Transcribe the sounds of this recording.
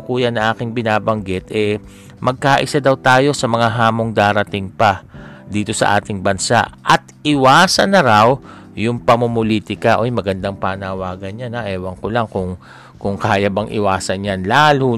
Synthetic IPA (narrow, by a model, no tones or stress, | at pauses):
kuːjɐnɐŋʔaːkɪŋbɪnaːbɐŋɡɪt̪ʔɛ | mɐɡ̚kaːʔɪsad̪ɐwt̪aːjo̞sɐmɐŋaɦaːmo̞ŋd̪aːɾɐt̪ɪŋpɐd̪iːt̪o̞sɐ̰ʔa̰ːt̪ɪŋbɐnsa̰ʔʔɐt̪ɪwaːsɐnːɐɾaw | jʊŋpɐmomoliːt̪ɪkɐʔojmɐɡɐnd̪aŋpanɐwaːɡɐnɲanɐʔɛːwɐŋkolaŋkʊŋ | kʊŋkaːjɐbɐŋʔɪ̰waːsɐnjanlaːlu